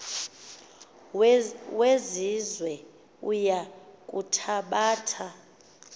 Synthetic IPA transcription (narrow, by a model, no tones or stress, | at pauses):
wezizwɛ | ujakʼutʰaɓaːtʰa